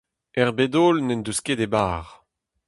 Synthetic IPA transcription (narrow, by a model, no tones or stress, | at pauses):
ɛʁbed̪oːlnɛnd̪usked̪ebaːʁ